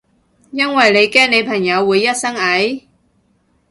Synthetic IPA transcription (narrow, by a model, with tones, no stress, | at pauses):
jɐ˥nwɐ˨jle˨˧jkɛː˥ŋne˨˧jpʰɐ˨˩ŋjɐ˨˧wːuː˨˧jːɐ˥t̚sɐ˥ŋɐ˨˥j